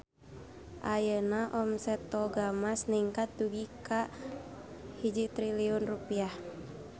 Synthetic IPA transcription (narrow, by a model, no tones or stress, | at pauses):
ʔajənaʔɔmsɛt̪ɔɡamasniŋkat̪̚duɡika | hid͡ʒit̪ɾiliɔnrupiah